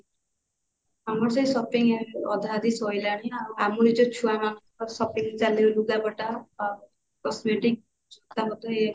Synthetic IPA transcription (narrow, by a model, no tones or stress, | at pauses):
amɔɾsaisɔpiŋeɔd̪ʱad̪isɔjlaɽ̃iawamuɾid͡ʒɔt͡ʃʰuamanɔŋkɔsɔpiŋt͡ʃaleuluɡabɔʈa | kɔsmeʈik̚ | sɔt̪ʰamɔt̪ɔɦe